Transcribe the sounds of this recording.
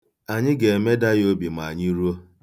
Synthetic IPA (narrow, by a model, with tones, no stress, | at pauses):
a˨ɲɪ˦ɡe˨e˨me˦da˦jo˦bi˨ma˨ɲi˦ɾu˦o˦